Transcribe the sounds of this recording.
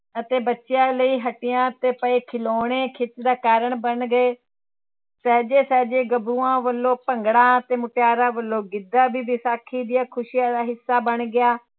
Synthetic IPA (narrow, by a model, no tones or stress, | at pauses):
ət̪eːbətːʃɪjãːləiːɦəʈɪjãːt̪eːpəeːkʰɪloːɽeːkʰɪt̪d̪aːkaːɾəɳbənɡəeː | sɛːd͡ʒeːsɛːd͡ʒeːɡəbuːãːʋəlːõːpəŋɡɽãːət̪eːmʊʈjaːɾãːʋəlːõːɡɪd̪ːãːbiːbiːsaːkʰiːd̪ɪjaːkʰʊʃiːjãːd̪aːɦɪsːaːbəɳɡɪjaː